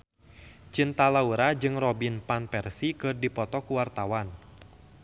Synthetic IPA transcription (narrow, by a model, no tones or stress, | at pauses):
t͡ʃint̪alauɾad͡ʒɨŋrɔbinpanpɛrsikɨrdipɔt̪ɔkuwart̪awan